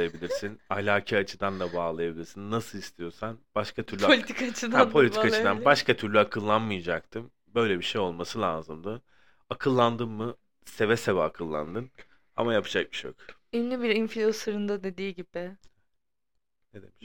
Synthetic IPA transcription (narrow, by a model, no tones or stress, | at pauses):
jabilʲiɾsinalʲaːcʰaat͡ʃʰɯd̪and̪abaːlˠajabilʲiɾsinːasɯlˠist̪ʰijo̞ɾsanb̥aʃkʰat̪ʰyɾlylʲit̪ikat͡ʃʰɯd̪ampʰo̞lʲit̪ʰiikat͡ʃɯd̪anbaʃkʰat̪ʰyɾlʲyakʰɯlˠːanmɯjad͡ʒakt̪ʰɯm | bø̞jlʲɛbiʃe̞jo̞lˠmasɯlʲˠaːzɯmd̪ɯ | akʰɯlˠːand̪ɯnːɯ | se̞vɛsevɛakʰɯlˠːa̰nd̪ɯn | a̰majapʰɯd͡ʒak̚mɯ̥ʃo̰k | inlʲibiɾinflʲosɯɾɯnd̪ad̪ed̪iːɟibɪ | ned̪emiʃ